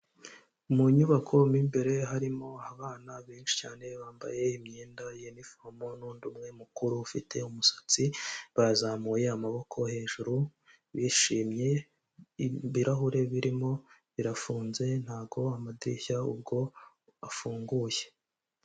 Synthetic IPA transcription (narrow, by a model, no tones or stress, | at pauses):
muɲuβakʰo̞mimbe̞ɾe̞ɦaɾimo̞aβaːnaβeːnʃi̥caːne̞βaːmba̰je̞imɲeːndajenifomonuːndumŋe̞mukuɾufitʰe̞umusḁt͡siβazaːmuje̞amaβo̞kʰo̞he̞ːʒuɾu | βiʃiːmɲe̞ | βiɾʔaɦuɾe̞βiɾimo̞βiɾafuːnze̞n̥haːbɡo̞amadiɾḭçaṵb̚ɡo̞ | afuːŋɡuːje̞